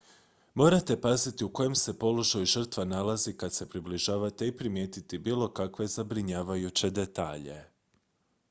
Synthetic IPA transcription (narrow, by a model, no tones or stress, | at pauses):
mo̞ːɾat̪e̞pazit̪iuko̞je̞mse̞po̞lo̞ʒajuʒər̩t̪ʋanalˠazikad̪se̞pɾibliʒaːʋat̪e̞ipɾimje̞ːt̪it̪ibiːlˠo̞kakʋe̞zabɾiɲaːʋajut͡ɕe̞d̪e̞t̪a̰ːʎe̞